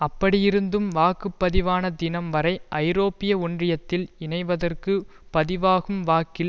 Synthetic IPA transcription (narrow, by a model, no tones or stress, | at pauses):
ɐpːɐɽɪjɪɾɯnd̪ɯmʋaːkɯpːɐðɪʋaːnɐd̪ɪnɐmʋɐɾɐɪʔɐɪɾoːpːɪjɐʊɳdrɪjɐt̪ːɪlɪnɐɪʋɐðɐrkɯ | pɐðɪʋaːɣɯmʋaːkɪl